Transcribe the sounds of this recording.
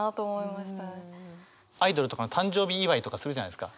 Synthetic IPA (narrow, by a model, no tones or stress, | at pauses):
at̪oːmoimaɕi̥t̪a | aid̪o̞ɾɯ̟t̪o̞kanot̪ãɲ̟d͡ʑo̞ːbʲiːβait̪o̞kasɨɾɯʑanajd̪ɨ̥ka̰